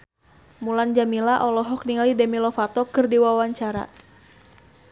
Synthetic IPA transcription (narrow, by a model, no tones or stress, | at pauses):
muland͡ʒamilaʔɔlɔɦɔk̚niŋalidɛmilɔfat̪ɔkɨrdiwawaɲt͡ʃaɾa̰